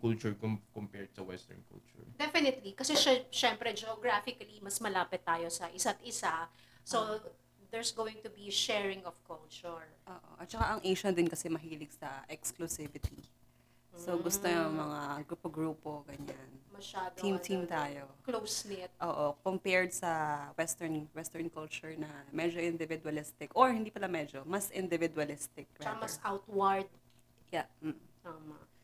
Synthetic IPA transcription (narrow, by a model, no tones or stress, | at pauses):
kult͡ʃʊɹkkɔmpɛɹd̪̚sɐwɛ̰st̪ɛ̰ɹnkṵlt͡ʃʊ̰ɹd̪ɛfɪnɪt̪likɐsɛʃaʃɛmpɾɛd͡ʒɛoɡɾafɪkɐlimɐsmɐlaːpɪt̪ːaːjosɐʔɪsat̪̚ɪsa | so | d̪ɛɹsɡoːwɪ̃ŋt̪ʊbiʃɛɹɪ̃ŋɔfkult͡ʃʊɹʔoːʔo̰ʔɐt̪̚t͡ʃɐkaʔɐŋʔejʃɐnd̪ɪnkɐsɛmɐɦiːlɪɡsɐʔɛksklʊsɪvɪt̪i | soɡʊst̪ojʊŋmɐŋaɡɾupoɡɹuːpoɡɐɲanmɐʃaːd̪t̪imt̪ʰimt̪aːjo̞klowsnɪt̪̚ʔoːʔokompɛɹd̪̚sɐwɛst̪ɛɹnwɛst̪ɛɹnkɔlt͡ʃʊɹnɐmɛd͡ʒoʔɪ̃nd̪ɪvɪd̪wɐlɪst̪ɪkʔoɹhɪnd̪iːpɐlamɛd͡ʒomɐsʔɪnd̪ɪvɪd̪wɐlɪst̪ɪk̚ɹt͡ʃɐamɐsawt̪wɐɹd̪̚ | jam̩t̪aːmɐ